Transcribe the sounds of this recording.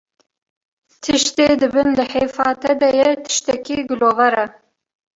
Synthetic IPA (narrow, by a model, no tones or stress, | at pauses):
t̪ʰɨʃt̪eːd̪ɨbɨnlɨħeːfɑːt̪ʰɛd̪ɛjɛt̪ʰɨ̥ʃt̪ɛkiːɡɨloːvɛɾɛ